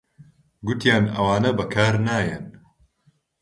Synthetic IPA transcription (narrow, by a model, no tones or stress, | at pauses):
ɡʊt̪jaːnɐwaːnɐbɐkʰaːɾnaːjɐn